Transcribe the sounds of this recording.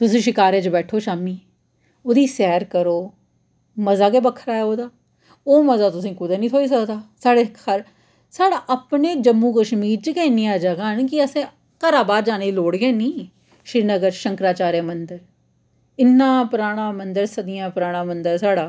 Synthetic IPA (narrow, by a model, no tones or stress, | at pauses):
t̪ʊsĩːʃɪkaːɾẽːt͡ʃbɛːʈʰoːʃaːmiː | ʊd̪iːsɛːɾkəɾoː | məzaːkeːbəkʰːəɾaːeoːd̪aː | oːməzaːt̪ʊs̬ĩːkʊd̪aːnĩt̪ʰoːiːs̬əkd̪aːsaːɽehəɾ | saːɽaːʔəpneːd͡ʒəmːũːkəʃmiːɾt͡ʃəkeɪnĩaːd͡ʒaɡaːɦənkɪəsẽː | kaɾaːbaːɾd͡ʒaːneːiloːɽɡeːnĩː | ʃɾiːnəɡəɾʃə̃ŋkɾaːt͡ʃaːɾeːmənd̪əɾ | ɪnːãːpɾaːɽ̃aːmənd̪əɾsəd̪ɪjãːpɾaːɽ̃ãːmənd̪əɾsaːɽaː